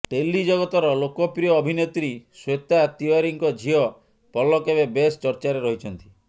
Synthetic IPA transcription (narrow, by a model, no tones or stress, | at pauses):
ʈelːid͡ʒɔɡɔt̪ɔɾɔlokɔpɾijɔːbʱinet̪ɾiswet̪at̪iɔɾiŋkɔd͡ʒʱiɔ | pɔlɔkebebest͡ʃɔɾt͡ʃaɾeɾɔɦit͡ʃʰɔnt̪i̥